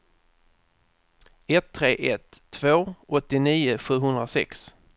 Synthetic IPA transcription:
ɛt̪ʰːɾeːʔɛt̪ʰːv̥oːʔɔt̪ːɪniːʊɧʉ̟ːɦɵnd̪ɾasɛ̰ks

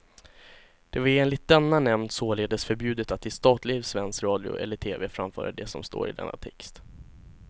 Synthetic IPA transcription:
d̪̥ɛvaɾeːnlɪt̪̚d̪ɛnːanɛmnd̪soːleːd̪əsfœɾbjʉ̟ːd̪ət̪at̪ːɪst̪ɑːt̪lɪsvɛnskɾɑːd̪ɪʊ̰ʔɛ̰lːəʈʰeːveːfɾamfœ̰ːɾad̪ɛsɔmst̪o̰ːɾɪ̰d̪ɛ̰nːa̰t̪ʰɛkst̪

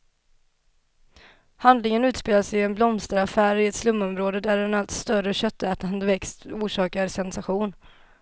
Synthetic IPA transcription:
hand̪lɪŋənʉ̟ːt̪speːlasɛjɛnblɔmst̪əɾafæːɾɪɛt̪slɵmːɔmɾoːd̪əd̪æɾɛnalt̪st̪œɾəɕœt̪ːɛːt̪and̪əvɛkst̪uːʂɑːkaɾsɛnsaɧuːn

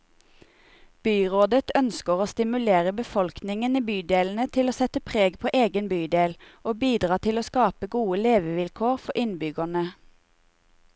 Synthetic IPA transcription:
b̥yːʁoːd̪ət̪ʰœnskəʁoːst̪ɪmʉleːʁəbəfɔlknɪŋəniːbyːd̪eːln̩ət̪ʰɪloːsɛt̪əpʰʁeːɡpʰoːʔeːɡənbyːd̪eːlʔoːbiːd̪ʁɑːt̪ʰɪloːskɑːpəɡuːəleːʋəʋɪlkʰoːʁfɔʔɪnbʏɡənə

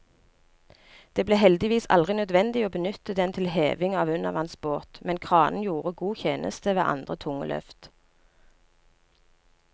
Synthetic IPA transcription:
d̪̥eːbleːɦɛld̪ɪʋiːsɑ̰ld̪ʁɪnœd̪ʋɛnd̪ɪoːbənʏt̪əd̪ɛnt̪ʰɪlheːʋɪŋɑːʋʉnəʋɑnsboːt̪mɛnkʰʁɑːnn̩juːʁəɡuːçeːnʔə̰st̪əʋḛːʔɑ̰nd̪ʁət̪ʰʊŋːə̰lʔœ̰ft̪

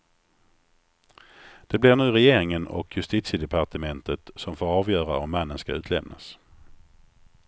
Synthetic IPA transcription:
d̪̥ɛblɪɳʉ̟ːɾɛjeːɾɪŋənɔ̰kʰjɵst̪iːt̪sɪd̪ɛpʰaʈəmɛnt̪ət̪sɔmfoːɾɑːvjœːɾaɔmːanːənskaʉ̟ːt̪lɛmna̰s

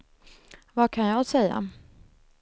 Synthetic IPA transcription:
vakʰanjɑɡsɛjːa̰

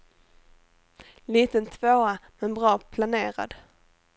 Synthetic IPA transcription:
liːt̪ənt̪ʰvoːamɛnbɾɑːpʰlaneːɾa̰d̪

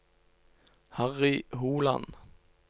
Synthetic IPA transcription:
hɑʁɪɦuːlɑ̰n

